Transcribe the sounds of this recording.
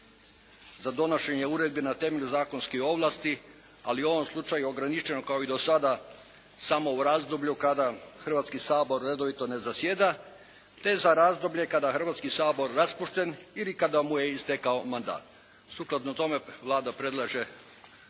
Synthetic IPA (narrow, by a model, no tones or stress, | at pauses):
zad̪o̞no̞ʃe̞ɲeuɾed̪̚benat̪e̞me̞ʎuzaːko̞nskio̞ʋlˠast̪i | a̰lio̞ʋomslˠut͡ʃajuo̞ɡɾanit͡ʃt͡ʃe̞nokaoid̪o̞sad̪a | samo̞uɾazd̪obʎukad̪axr̩ʋat̪skisaːbo̞ɾːe̞d̪o̞ʋit̪o̞ne̞zasjed̪a | t̪e̞zaɾazd̪o̞bʎe̞kad̪axr̩ʋat̪skisaːbo̞ɾːaspuʃt̪e̞nilikad̪amuje̞ist̪ekaomand̪a̰ːt̪ | suklˠat̪not̪o̞me̞ʋlˠaːd̪apɾe̞d̪lˠaʒe̞